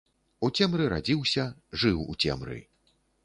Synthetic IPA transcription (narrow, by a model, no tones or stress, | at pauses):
ut͡sʲɛmɾɨɾa̰d͡zʲiwsʲɐʐɨwṵt͡sʲɛ̰mɾɨ̰